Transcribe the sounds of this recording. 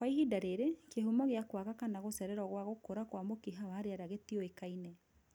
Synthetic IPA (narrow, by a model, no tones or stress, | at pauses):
kwaihidaɾeɾekjehumɔɣeakwakakanaɣosɛɾɛɾɔɣwaɣokoɾakwamokiɦawahaɾeaɾaɣetiɔekainɛ